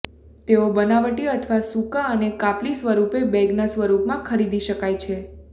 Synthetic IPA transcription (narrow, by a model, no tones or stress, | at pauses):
t̪eobənaʋəʈiət̪ʰəʋasũkaənekaplisʋəɾupebɛɡnasʋəɾupmãkʰəɾid̪iʃəkajt͡ʃʰe